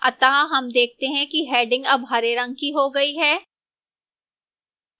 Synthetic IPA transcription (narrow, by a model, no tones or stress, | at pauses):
ɐ̰t̪aɦaɦɐmd̪eːk̚ʰt̪eɦɛ̃kiɦɛːɖɪ̃ŋɡɐbɦɐɾeɾɐ̃ŋɡ̚kiɦoɡɐiɦɛː